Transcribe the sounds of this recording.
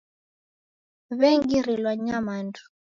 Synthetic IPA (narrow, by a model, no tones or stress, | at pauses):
βɛŋɡiɾilwaɲamandu̥